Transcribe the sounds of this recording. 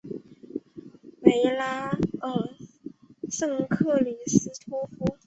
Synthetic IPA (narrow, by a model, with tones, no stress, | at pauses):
me˧˥ɪla˥ə˨˧˩ | ʂɤ˥˧ŋkʰɤ˥˩li˨˩sɹ̩˥t̪ʰu˥fu˥